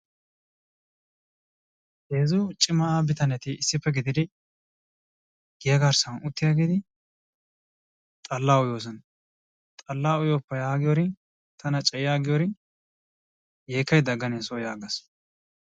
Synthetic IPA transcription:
heːzʊt͡ʃʼɪmɐabɪt̪ɐnɛt̪ɪɪsːɪpːɛɡɪd̪ɪd̪ɪ | ɡ̥ɪjɐɡɐɾsɐnʊt̪ːɪjaːɡeːd̪ɪ | t̪ʼɐlːaːʊjoːs̬ɐn | t̪ʼɐlːaːʊjoːpːɐjaːɡɪjɔɾɪ | t̪ʰɐnɐt͡ʃʼɛjɪjaːɡɪjɔɾɪ | jeːkːɐjd̪ɐɡːɐneːsoːjaːɡɐs

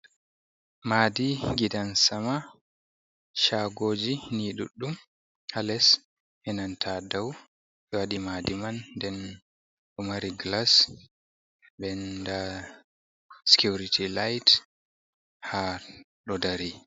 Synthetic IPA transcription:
madiɡidansama | ʃaɡoːd͡ʒiniɗṵɗːum | halɛs | hɛnantʰadaw | ɓɛwaɗimaːdimandɛn | ɗumaɾiɡlas | bɛnda | si̥kjuɾitʰilajt | ha | ɗɔdaɾi

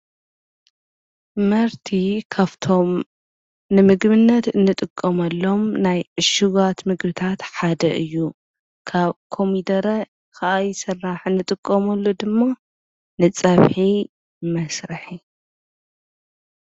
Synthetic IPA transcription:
mɐɾt̪ʰikʰaβt̪ʰo̞m | nɨmɨɡβɨnːɐt̪ɨnːɨt̪ʼɨkʼːɐmɐlːo̞mnajʕɨʃuɣat̪mɨɡbɨt̪ʰat̪ħad̪ɐʔɨjːu | kʰaβkʰo̞mid̪ɐɾɐ | kʰaʔajsɐrːaħɨnːɨt̪ʼɨkʼːɐmɐlːod̪ɨmːa | nɨt͡sʼɐβħi | mɐsɾɨħi

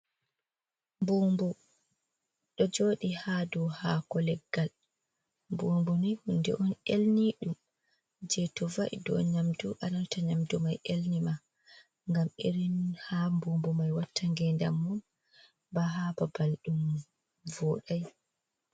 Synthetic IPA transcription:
mbuːmbu | ɗɔd͡ʒoːɗihadɔhaːkɔlɛɡːal | mbuːmbunihundɛ̰ʔɔnelniɗum | d͡ʒɛtɔvaʔḭdɔ̰ɲamduʔanantaɲamdumajʔelnima | ŋɡameɾinhambuːmbɔmajwatʰːaŋɡɛnda̰mːun | baɦababalɗum | vɔːɗaj

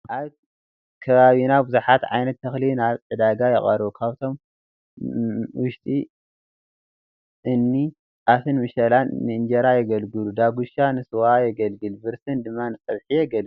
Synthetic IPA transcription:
ʔaβ | kʰɐβaβinabɨzuħat̪ʕa̰jnɐt̪ʰːɐxlinaβʕɨd̪aɡajɛχʼɐɾβukʰaβt̪ʰo̞m | wʊʃt̪ʼi | ʔɨnːi | ʔafʰɨnmɨʃɐlanːɨɨnd͡ʒɐɾajɛɡɐlɡɨlud̪aɡuʃanɨsɨwajɛɡɐlɡɨlbɨɾsɨnd̪ɨmːanɨt͡sʼɐβħijɛɡɐlu

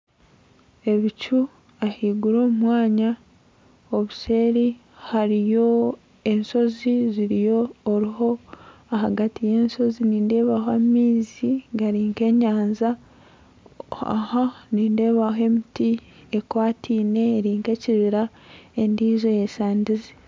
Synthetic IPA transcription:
e̞βit͡ʃu | ahiːɡuɾo̞ːmumwaːɲa | oβuse̞ːɾi | haɾijo̞ | e̞nso̞ziziɾijo̞ːɾiɦo̞aɦaɡatije̞ːnso̞ziniːnde̞ːβaɦoamiːziɡaɾiːŋke̞ɲaːnza | a̰haniːnde̞ːβaɦe̞mitiekwaːtʰiːne̞ːɾiːŋke̞ciβiɾa | e̞ndiːzo̞jesaːndizi

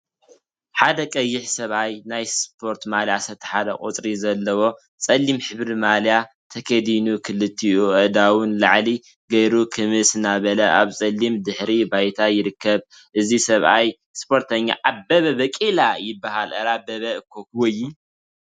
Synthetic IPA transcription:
ħad̪ɐkʼɐjːɪħsɐβʔajnajspʰo̞ɾt̪maljasɐt̪ʰːɐ̥ħalɐkʼo̰t͡sʼɾizɐlːɐwo̞ | t͡sʼɐlːimħɨβɾimalja | t̪ʰɐkʰɐd̪inukʰɨlɨt̪ʰːiuʔɐd̪awʊnlaʕli | ɡɐjɾukʰɨmɨsɨnaβɐlɐʔa̰βsʼɐlːimd̪ɨħɾibajt̪ʰajɪɾɨkʰːɐβ | ʔɨzisɐβʔaj | spʰo̞ɾt̪ʰɐɲːa̰ʔaβːɐβɐbɐkʼilajɪbːahalɐɾabɐβɐɨkʰːokwojːi

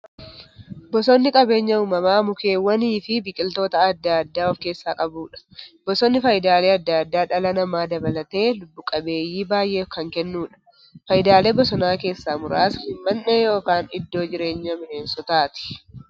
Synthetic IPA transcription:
bɔsɔnːɪkʼɐbe̞ːɲːɐuːmɐmaːmʊke̞ːwɐniːfɪbɪkʼɪlt̪o̞ːt̪ɐːd̪ːad̪ːaːɔfke̞ːsːaːkʼɐbuːᶑɐ̥bɔsɔnːɪfɐjɪd̪aːle̞ːɐd̪ːɐd̪ːaːᶑɐlɐnɐmaːd̪ɐbɐlɐt̪e̞ːlʊbːʊkʼɐbe̞ːjiːbaːjʔe̞ːfkɐŋkɛnːuːᶑɐ̥ | fɐjɪd̪aːle̞ːbɔsɔnaːke̞ːsːaːmʊɾaːshɪmmɐnːɛjo̞ːkaːnɪd̪ːo̞ːd͡ʒɪɾe̞ːɲːɐmɪensɔt̪aːt̪ɪ̥

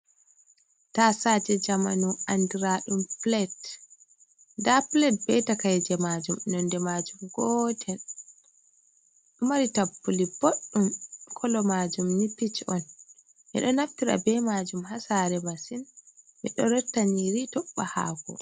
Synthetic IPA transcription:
tasad͡ʒɛd͡ʒamanuandiɾaɗumplɛt | daplɛt̚bɛtakajd͡ʒɛmad͡ʒumɛnɔndɛmad͡ʒumɡɔtʰɛl | ɗɔmaɾitapːuliboɗːumkʰɔlɔmad͡ʒumnipːit͡ʃɔn | ʔɛ̰ɗɔnaftiɾa̰bɛmad͡ʒumhasaɾɛmasin | ʔɛɗɔɾɛtːaniɾitɔɓːaha̰ːɡɔ̰

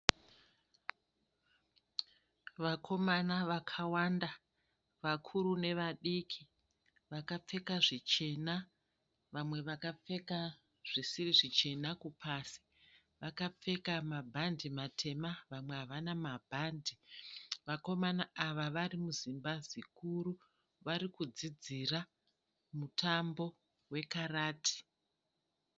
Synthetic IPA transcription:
ʋakʰo̞manaʋakʰawanda | ʋakʰuɾune̞ʋaɗikʰi | ʋakap͡fe̞kaʐit͡ʃe̞na | ʋamwe̞ʋakap͡fe̞ka | ʐ̥isiriʐit͡ʃe̞nakupʰasi̥ | ʋakap͡fe̞kamabʱandimatʰe̞maʋamwe̞ɦaʋanamabʱandʱiʋako̞manaaʋaʋaɾimuzimbazikuɾu | ʋaɾikud͡zid͡zira | mutʰambo̞ | we̞karaːtʰi̥

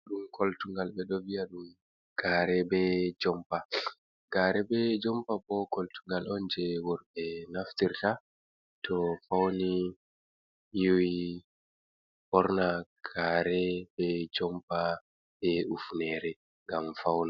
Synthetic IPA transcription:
ɗumkʰoltuŋɡalɓɛɗɔviaɗum | ɡ̥aːɾɛbɛd͡ʒɔmpa | ɡ̥aːɾɛbɛd͡ʒɔmpabɔkoltuŋɡalɔnd͡ʒɛwɔɾɓɛnaftiɾta | tʰɔfawni | juwi | bɔɾnaɡ̥aɾɛbɛd͡ʒɔmpa | ɓɛufnɛɾɛ | ŋɡamfawna

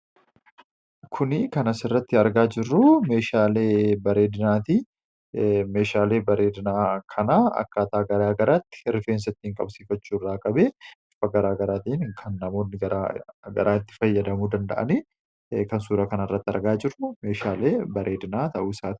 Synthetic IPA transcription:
kʰʊnɪkɐnɐsɪrːɐt̪ːɪɐɾɡaːd͡ʒɪrːʊme̞ːʃaːleːbɐɾe̞ːd̪ɪnaːt̪i | me̞ːʃaːleːbɐɾe̞ːd̪ɪnaːkʰɐnaːɐ̰kːaːt̪aːɡɐɾaːɡɐɾaːt̪ːɪ̥ɪɾɪfeːns̬ɐɪt̪ːɪŋkʼɐ̰bsiːfɐt͡ʃːuːɪrːaːkʼɐbeːɪfɐɡɐɾaːɡɐɾaːt̪iɪnkʰɐnːɐmo̞ːnːɪɡɐɾaɡɐ̰ɾaːɪt̪ːɪ̥fɐjːɐd̪ɐmuːd̪ɐnd̪ɐ̰ʔɐ̰niː | kɐnsuːɾɐkɐnɪrːɐt̪ːɪɐ̰ɾɡaːd͡ʒɪrːʊme̞ːʃaːleːbɐɾʔe̞ːd̪ɪnaːt̪ɐʔuːsaːt̪ɪ̥

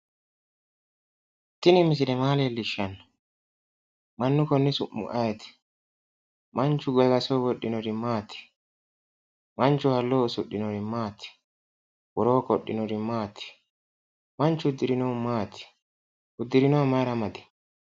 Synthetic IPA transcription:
t̪ɪnɪmɪs̬ɪnɛmaːleːlːɪʃːɐnːɐ | mɐnːʊkɔnːɪsʊʔːʊ̰ʔɐjɛt̪ɪ̥ | mɐnt͡ʃʊɡɛɡɐsoːwɔɗːɪnɔɾɪmaːt̪ɪ̥ | mɐnt͡ʃːʊhɐlːoːsʊɗːɪnɔɾɪmaːt̪ɪ̥ | wɔɾoːkɔɗːɪnɔɾɪmaːt̪ɪ̥ | mɐnt͡ʃːʊd̪ːɪɾɪnɔmaːt̪ɪ̥ | ʊd̪ːɪɾɪnɔmɐɾɐmɐd̪ɪ̥

